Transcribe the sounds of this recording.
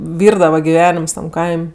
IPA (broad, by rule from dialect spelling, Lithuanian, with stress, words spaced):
ˈʋʲiːrdɐʋɐ ɡʲɪˈʋʲæːnʲɪms tɐm ˈkɐɪmʲ